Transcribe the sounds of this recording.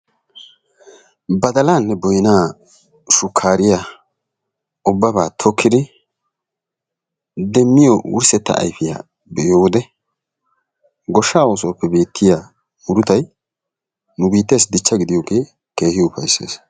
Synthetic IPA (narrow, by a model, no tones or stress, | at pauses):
bɐd̪ɐlaːnːɛbɔjnaː | ʃʊkʰːaːɾɪja | ʊbːɐbaːt̪ʰɔkʰːɪd̪ɪ | d̪ɛmːɪjɔwʊ̰ɾsɛt̪ːɐ̰ːjfɪja̰ | bɛjoːd̪ɛ | ɡɔʃːaːwoːsoːpːɛbe̞ːt̪ʰːɪja | ʊɾʊt̪ɐj | nʊbiːt̪ːe̞ːsd̪ɪt͡ʃːɐɡɪd̪ɪjoːɡe̞ː | ke̞ːhɪʊpɐjse̞̰ːs